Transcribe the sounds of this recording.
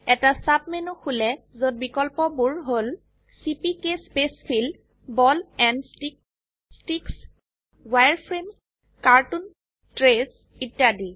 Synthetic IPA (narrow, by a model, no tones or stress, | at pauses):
ɛtasap̚menuxulɛzot̚bikɔlpɔbuɹɦol | sipikespespʰil | bɔlɛnstik̚ | stiks | wajɹpʰɹen | kaɹtun | tɹes | itjadi